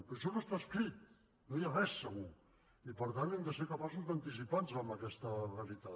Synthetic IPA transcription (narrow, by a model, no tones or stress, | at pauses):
pəɾʃ̬ɔməst̪askɾit̪̚ | nojarɛsːəɣ̞u | ipəɾt̪anɛmd̪əseɾkapasuzd̪ant̪is̬ipanzambəkɛst̪ərelit̪a